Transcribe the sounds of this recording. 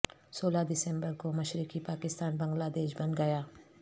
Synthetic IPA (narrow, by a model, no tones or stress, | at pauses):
soːlad̪ɪsɛ̃mbəɾkomɐʃɾɪkipaːkɪst̪aːnbɐ̃ŋɡlaːd̪eːʃbɐnɡɐjaː